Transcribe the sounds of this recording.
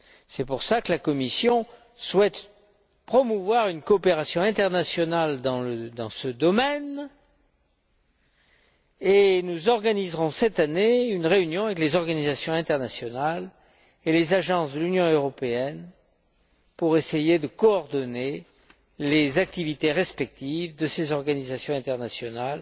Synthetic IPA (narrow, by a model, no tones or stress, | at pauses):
sɛpuʁsakəlakɔmisjɔ̃ | swɛt̪ | pχɔmuvwaʁynkɔːpeʁasjɔ̃ɛ̃t̪ɛʁnasjɔnald̪ɑ̃ləd̪ɑ̃səd̪ɔmɛn | enuzɔʁɡanizʁɔ̃sɛt̪aneynʁeynjɔ̃avɛklezɔʁɡanizasjɔ̃ɛ̃t̪ɛʁnasjɔnal | elezaʒɑ̃sd̪əlynjɔ̃øʁɔpeɛn | puʁesejed̪əkɔɔʁd̪ɔne | lezak̚t̪ivit̪eʁɛspɛk̚t̪ivd̪əsezɔʁɡanizasjɔ̃ɛ̃t̪ɛʁnasjɔnal